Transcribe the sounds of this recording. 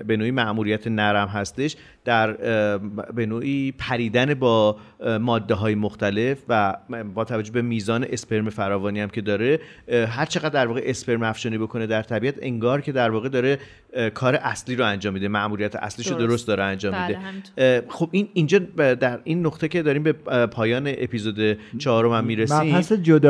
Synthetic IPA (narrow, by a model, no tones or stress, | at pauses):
be̞noːiːmæʔmuːɾijæt̪ʰenæɾæmɦæst̪e̞ʃ | d̪̥æɾ | be̞noːʔiːpʰæɾiːd̪æne̞bɒːmɒːd̪ːe̞ɦɒːje̞moxt̪æle̞fvæbɒːt̪ʰævæd͡ʒːobe̞miːzɒːne̞ʔespe̞ɾmefæɾɒːvɒːniæmcʰe̞d̪ɒːɾe̞ɦæɾt͡ʃʰe̞ɣæd̪ːæɾvɒːɣeʔespʰe̞ɾmæfʃɒːnibo̞kʰo̞ne̞d̪æɾt̪ʰæbiːæt̪ʰe̞ŋɡɒːɾcʰe̞d̪æɾvɒːɣe̞d̪ɒːɾe | kʰɒːɾe̞ʔæsliːɾoænd͡ʒɒːmːid̪emæʔmuɾijæt̪ʰeʔæ̰sliʃod̪o̞ɾost̪d̪ɒːɾeænd͡ʒɒːmmːidd̪e | xobinind͡ʒɒːd̪æɾinːoxt̪ecʰe̞d̪ɒːɾiːmbepʰɒːjɒːneʔepizod̪e̞t͡ʃʰɒːɾo̞mæmːiɾeiːsed͡ʒod̪